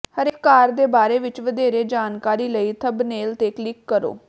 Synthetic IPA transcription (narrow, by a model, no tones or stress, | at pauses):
həɾeːkːaːɾd̪eːbaːɾeːʋɪt͡ʃʋəd̪eːɾeːd͡ʒaːnkaːɾiːləiːt̪ʰəbneːlt̪eːklɪkːəɾo̰ː